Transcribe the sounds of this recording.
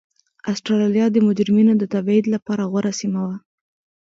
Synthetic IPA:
asʈɾɑlɑlijɑd̪əmʊd͡ʒɾɪminod̪ət̪abid̪lapɑɾaɣwaɾasimawa

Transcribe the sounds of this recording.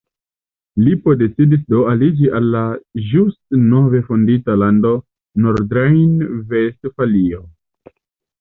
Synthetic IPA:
lipode̞t͡sidis̬do̞alid͡ʒiʔalːaʒustno̞ve̞fonditalando̞ | noɾdɾajnvestfalio

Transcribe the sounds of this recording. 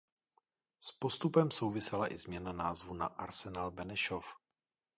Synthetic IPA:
spo̞st̪upɛmso̞wvɪsɛlaʔɪzmɲɛnanaːzvuna̰ʔaɾsɛnalbɛnɛʃof

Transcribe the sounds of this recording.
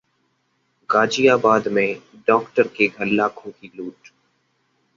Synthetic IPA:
ɡaːd͡ʒiːaːbaːd̪mẽːɖɔːkʈəɾkeːɡʱəlːaːkʰũːkʰiːluːʈ

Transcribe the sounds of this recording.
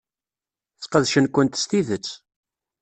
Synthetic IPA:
θqəðʃənkʷːənt̪st̪iðət͡sː

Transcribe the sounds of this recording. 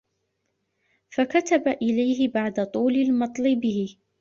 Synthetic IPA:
fakat̪abaʔɪlajɦɪbaʕd̪at̪ˤuːlalmɑt̪ˤlɪbɪhɪ

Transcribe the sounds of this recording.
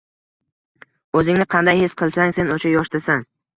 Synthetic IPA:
ɵzɪŋnɪqʰɑnd̪ajhesqʰɨlˠsaŋse̞noʃajɒʃt̪asaŋ

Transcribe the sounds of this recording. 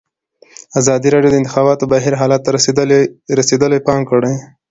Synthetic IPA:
azɑd̪iɾɑɖjod̪əɪnt̪ɪ̥xɑbɑt̪obaɦiɾɦɑlat̪ːa | ɾased̪əloepɑŋkəɽaj

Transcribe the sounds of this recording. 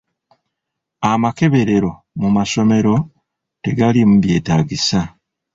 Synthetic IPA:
amake̞βe̞ɾe̞ɾo̞ | mumaso̞me̞ɾo̞ | te̞ɡalimuβje̞ːtaːɡisa

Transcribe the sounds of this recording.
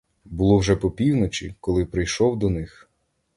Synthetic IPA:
bʊlˠɔwʒɛpɔpʲiwnɔt͡ʃʲḭkɔlˠɪpɾɪjʃɔwd̪ɔnɪx

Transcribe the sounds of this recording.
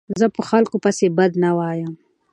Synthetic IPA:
zəpəxalkopasebad̪nawɑjəm

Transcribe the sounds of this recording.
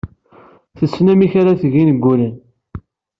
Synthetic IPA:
θəsːnæmiçaɾaθəʝinəɡʷːulən

